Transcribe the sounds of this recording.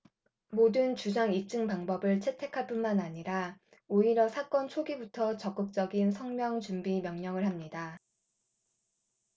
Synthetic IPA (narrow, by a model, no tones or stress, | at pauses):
modɯnt͡ɕusʰaŋip̚t͡ɕ͈ɯŋpaŋbʌbɯɭt͡ɕʰe̞tʰe̞kʰaɭp͈unmanaɲiɾa | oiɾjʌsʰak͈ʌnt͡ɕʰoɡibutʰʌt͡ɕʌk͈ɯk̚t͡ɕ͈ʌɡinsʰʌŋmjʌŋt͡ɕumbimjʌŋɲʌŋɯɭɦamɲida